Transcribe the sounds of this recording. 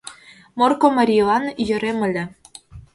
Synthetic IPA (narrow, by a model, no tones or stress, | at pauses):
morkomɑɾʲilˠɑnjø̆ɾemɘ̆lʲɘ̆